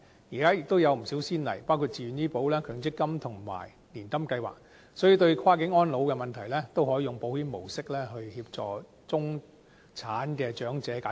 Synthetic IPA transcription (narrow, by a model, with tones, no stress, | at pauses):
jiː˨˩kaː˥jɪ˨k̚t̪o˥wjɐ˨˧wm̩˨˩siː˨˥wsiː˥nlɐ̰˨˩jpaː˥kʰuː˧t̚t͡siː˨˩y˨njiː˥po˨˥wlɛː˥kʰœː˨˩ŋt͡sɪ˥kːɐ˥mt̪ʰʊ˨˩ŋma̰ː˨˩j | liː˨˩nt̪ɐ˥mkɐ˧jwa̰ː˨˩k̚ | sɔː˨˥jiː˨˩t̪ɵ˧ɥkʰaː˥kɪ˨˥ŋɔː˥nlo˨˧wkɛ˧mɐ˨nt̪ʰɐ˨˩jlɛː˥t̪o˥whɔː˨˥˧ʊ˨ŋpo˨˥whiː˨˥nmo˨˩wsɪ˥k̚lɛː˥ɦɵ˧ɥhiː˧p̚t͡sɔː˨ | t͡sʊ˥ŋ | t͡sʰaː˨˥nkɛː˧t͡ʃœː˨˥ŋt͡sɛː˨˥kaː˨˥